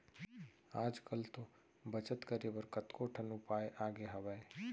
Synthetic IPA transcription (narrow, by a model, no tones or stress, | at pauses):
aːd͡ʒkəlt̪o | bət͡ʃət̪kəɾebəɾkət̪koʈʰənupaːeʔaːɡeɦɐʋae